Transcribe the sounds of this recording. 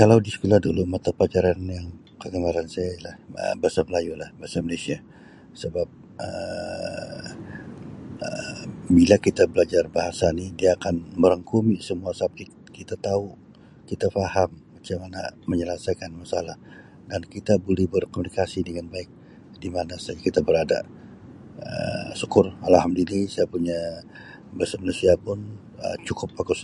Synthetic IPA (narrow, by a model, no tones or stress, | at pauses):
kalawdisə̥kulahdulumat̪apat͡ʃaɾanjaŋ | kəɡəmaɾansajaalahə̰baasaməlajulahbaasaməlasia | səbap̚ | ə̰ | əbilakit̪abəlad͡ʒarbaɦasanidiaːkanməɾəŋkumisəmuasap̚ki | kit̪at̪au | kit̪afahamːat͡ʃamanaməɲəlasajkanmasalah | dankit̪abolɛhbərkomunikasidəŋanbaɪk̚ | dimanasajakit̪abəɾada̰ | ə̰sukʊralhamdulisajapuɲa | basamanusiapʊn | ə̰t͡ʃukʊpːakʊs